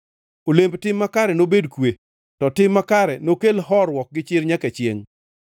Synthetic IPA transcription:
olembtɪmːakaɾɛnobedkwe | tɔtɪmːakaɾɛnokelɦɔrwɔk̚ɡɪt͡ʃɪɾɲaket͡ʃjḛŋ

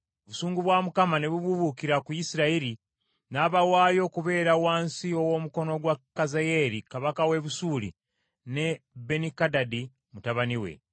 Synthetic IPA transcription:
oβusuːŋɡuβwamukamane̞βuβuβukiɾakujisiɾaiɾi | naβawaːjo̞ːkuβe̞ːɾawaːnsio̞wo̞ːmuko̞no̞ɡwakːazajeɾikaβakawe̞βusuːlḭ | ne̞benikadadi | mutaβaniwe̞̰

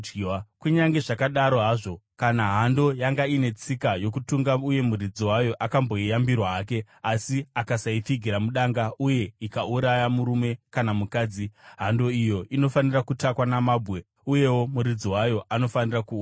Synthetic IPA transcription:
kuɲaŋɡe̞ʐakaɗaɾo̞ɦaːʐo̞kanaɦando̞jaŋɡaine̞t͡sikajo̞kutuŋɡauje̞muɾid͡ziwajo̞ʔakambo̞ijambirwaːk̬e̞ | asiakasaitiɡʱiɾamuɗaŋɡaʔuje̞ikauɾajamuɾume̞kanamukaːd͡ziɦando̞ijo̞ino̞fanirakutakwanamaːbʱwe̞ | uje̞wo̞muɾid͡ziwajo̞ʔano̞faniraku

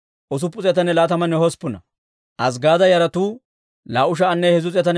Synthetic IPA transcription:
ʔɔs̬ʊpːʊt͡sʼjɛt̪ɐnːɛlaːt̪ɐmɐnːɛhɔspːʊnɐ | ʔɐs̬ɡaːd̪ɐjɐɾɐt̪uː | laːʔʊʃ̬ɐːnːɛhɛzʊt͡sʼjɛt̪ɐn

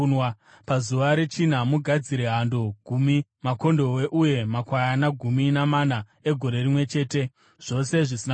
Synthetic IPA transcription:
nw | pazuʋaɾe̞t͡ʃinamuɡʱad͡ziɾe̞ɦando̞ɡʱumimako̞ndo̞we̞ʔuje̞makwajanaɡʱuminamana | e̞ɡʱo̞ɾe̞rimwe̞t͡ʃe̞ːte̞ | ʐ̥o̞se̞ʐisin

